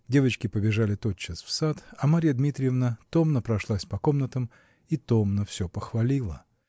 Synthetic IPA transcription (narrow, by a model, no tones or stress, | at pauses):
dʲe̞vət͡ɕkʲɪpəbʲɪʐalʲɪt̪o̞t̪̚t͡ɕːəsfsat̪ɐmaɾʲijəd̪mʲit̪ɾʲɪjɪvnət̪o̞mnəpɾɐʂlˠasʲpɐko̞mnət̪əm | it̪o̞mnəfsʲɵpəxvɐlʲilˠə